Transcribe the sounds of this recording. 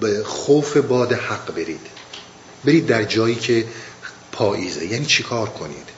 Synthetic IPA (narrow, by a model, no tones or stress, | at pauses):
bexowfebɒːd̪ehæɡbe̞ɾiːd̪̥ | beɾiːd̪ːæɾd͡ʒɒːjiːcʰe | pʰɒːʔiːzḛjæːniːt͡ʃʰekʰɒːɾkʰo̞nḭːd̪̥